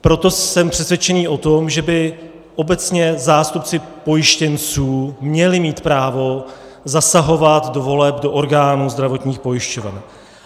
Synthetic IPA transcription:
pɾo̞t̪o̞sɛmpr̥ɛsvjɛt͡ʃɛniːʔo̞t̪o̞mʒɛbɪ | ʔo̞bɛt͡sɲɛzaːst̪up̚t͡sɪ | po̞jɪʃcɛnt͡suːmɲɛlɪmiːt̪pɾaːvo̞ | zasaɦo̞vat̪do̞vo̞lɛbdo̞ʔoɾɡaːnuːzd̪ɾavo̞t̪ɲiːxpo̞jɪʃcovɛ̰n

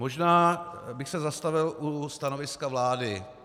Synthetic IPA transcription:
mo̞ʒnaːbɪxsɛzast̪avɪlʔust̪ano̞vɪskavlaːdɪ

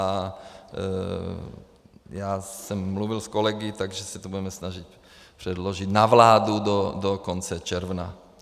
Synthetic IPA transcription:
a | jaːsɛmːluʋilskolɛɡit̪aɡʒɛsɛt̪obudɛmɛsnaʒic̚ | pr̝̥ɛd̪loʒit̪navlaːd̪ud̪od̪okont͡sɛt͡ʃɛɾvna

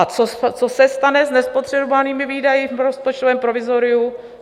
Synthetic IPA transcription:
at͡sot͡sosɛst̪anɛznɛspo̞t̪r̝̥ɛbovaniːmɪviːdajɪfɾospot͡ʃt̪ovɛːmpɾovɪzoɾɪu

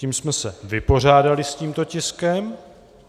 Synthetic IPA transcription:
iːmsmɛsɛvɪpo̞r̝aːdalɪsciːmt̪o̞cɪskɛm

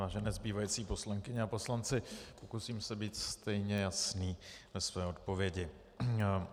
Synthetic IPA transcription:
vaːʒɛnɛːzbiːvajit͡siːpo̞slaŋkɪɲɛapo̞slant͡sɪpo̞kusiːmsɛbiːt̪st̪ɛjɲɛjasniːvɛsvɛːo̞t̪̚po̞vjɛɟɪ

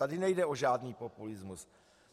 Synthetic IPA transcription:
adɪnɛjdɛo̞ʒaːdniːpo̞pulɪzmus

